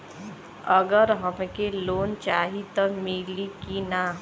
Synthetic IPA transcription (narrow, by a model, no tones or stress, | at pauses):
əɡəɾɦəmkeloːnt͡ʃaːɦit̪əmilikinaː